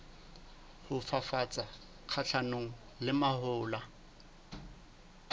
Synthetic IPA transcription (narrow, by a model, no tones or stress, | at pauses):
hʊfafat͡sʼa | q͡χʰat͡ɬʰanoŋ̩ | lɪmahʊːla